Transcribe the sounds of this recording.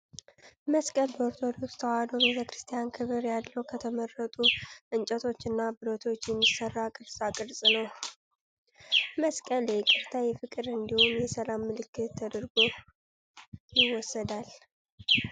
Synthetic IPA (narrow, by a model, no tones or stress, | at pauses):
məskʼəlbəoɾt̪ʰo̞d̪okst̪ʰəwad̪obe̞t̪ʰəkɾɨst̪ʰijankʰɨβɨɾjalːəwkʰət̪ʰəmərːət̪ʼuʔɨnt͡ʃʼət̪ʰo̞t͡ʃːɨnːabɨɾot̪ʰo̞t͡ʃːjɛmːisərːakʼɨɾsʼakʼɨɾsʼnəw | məskʼəlekʼɨɾt̪ʰajɛfɨkʼɨɾɨnd̪ihonjɛsəlamːɨlɨkːɨt̪ʰːəd̪əɾɡo | jɪwɔsːəd̪al